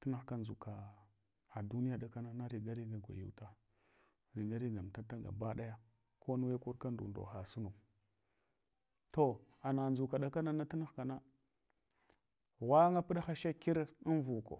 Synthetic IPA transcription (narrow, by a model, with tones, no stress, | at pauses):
ti˦na˦xka˦nzu˨ka˨ | a˨du˦ni˦ja˨ɗa˨ka˦na˦na˦ɾi˨ɡa˦ɾi˦ɡa˨ɡʷa̰˨jṵ˨wta˦ | ɾi˨ɡa˦ɾi˦ɡa˨m˨ta˦ta˦ɡa̰˨ba˦ɗa˦ja˦ | kʰo˦nu˦we˦ku˦ɾka˦ndṵ˨ndo̰˨xa˨su˦nu˨k | to˨ | a˨na˨nd͡ʒu˨ka˨ɗa˦ka˦na˦na˦ti˦na˦xka˨na˦ | wa˦ŋa˦pi˦ɗa˦xa˦ʃa˦ki˦ɾi˦nvu˨ko̰˨